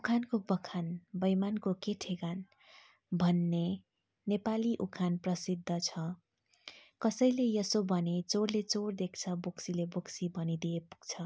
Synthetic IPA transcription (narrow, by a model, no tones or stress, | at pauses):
ukʰankobʌkʰanbʌjmankokeʈʰeɡan | bʱʌnːe | nepaliʔukʰanprʌsid̪ʱːʌt͡sʰʌ | kʌsʌjlejʌsobʱʌnet͡sorlet͡sord̪ek̚ʰt͡sʰʌboksileboksibʱʌnid̪ijepu̥ɡt͡sʰʌ